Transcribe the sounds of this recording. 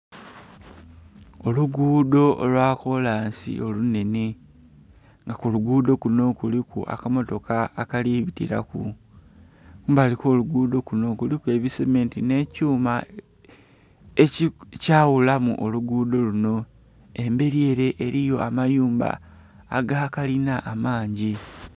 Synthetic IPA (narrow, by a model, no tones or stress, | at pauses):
o̞luɡuːdo̞olwaːko̞laːnsḭʔo̞lune̞ne | ŋɡakuluɡuːd̪o̞kuno̞kulikṵʔa̰kamo̞to̞kaːkaliβitḭɾa̰kṵ | baliko̞ːluɡuːdo̞kuno̞kulikue̞βisemeːntine̞ːcuːma | ecaːwulamuʔoluɡuːdo̞luno̞ | e̞mbe̞ɾie̞ːɾe̞ʔeɾijo̞ʔamajuːmba̰ː | ɡakalinaʔːmaːɲɟi